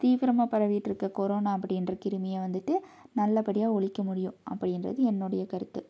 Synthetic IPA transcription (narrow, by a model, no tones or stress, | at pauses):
t̪iːʋɪɾɐmaːpɐɾɐʋiːʈːɪɾɯkːɐkɔɾoːnaːɐpːɐɽɪndrɐkɪɾɯmɪjɐʋɐnd̪ɯʈːɯnɐlːɐpɐɽɪjaːɔɭɪkːɐmʊɽɪjʊ̃ʔɐ̰pːɐɽɪnrɐ̰ðɯɛnːoɽɐjɐkɐɾɯt̪ːɯ